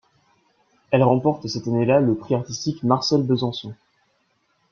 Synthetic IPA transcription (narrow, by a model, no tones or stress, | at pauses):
ɛlʁɑ̃pɔʁt̪sɛt̪anelaləpχiaʁt̪ist̪ikmaʁsɛlbəzɑ̃sɔ̃